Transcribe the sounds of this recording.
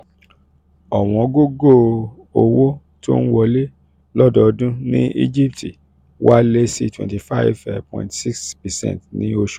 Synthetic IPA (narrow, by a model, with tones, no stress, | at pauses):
ɔ˨w̃ɔ̃˨ɡo˦˨ɡo˦˨ | o˧wo˦ | to˦n̩˦wɔ˧le˦ | lɔ˦dɔ˦˧dũ˦nĩ˦ʔḭ˦d͡ʒi˦˨p̚tʰi˨ | wa˦le˦si˦twɛ̰̃˨nti˨fa˦˨vɛ˨pɔ̰̃˨ĩ˨tsi˦kspɛ˨sɛ̰̃˦n˨tnĩ˦o˧ʃu˦˨